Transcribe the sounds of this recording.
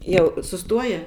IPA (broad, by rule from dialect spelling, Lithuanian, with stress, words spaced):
ˈjɛʊ sʊˈstuɔjɛ